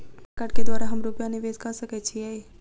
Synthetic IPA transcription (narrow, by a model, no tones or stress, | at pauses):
kəʈked̪waːɾaɦəmɾupjaniʋeːzkasəkɛt͡ʃʰiɛe